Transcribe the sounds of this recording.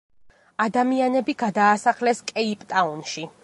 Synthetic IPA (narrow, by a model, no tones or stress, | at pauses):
ad̪amianɛbiɡad̪aːsaχlɛskʼɛipʼt̪ʼaunʃi